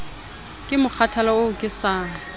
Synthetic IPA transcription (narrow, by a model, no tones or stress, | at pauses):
kʼɪmʊk͡xʰatʰalaʊkʼɪsaːŋ̩